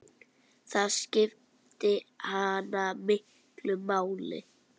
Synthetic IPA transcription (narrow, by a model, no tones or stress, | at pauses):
θaðscɪf | t̪ɪhanːamɪht̪lʏmaːwlɪ̰